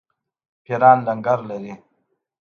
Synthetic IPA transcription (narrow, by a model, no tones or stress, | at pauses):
pʰeɾɑːnlaŋɡaɾlaɾi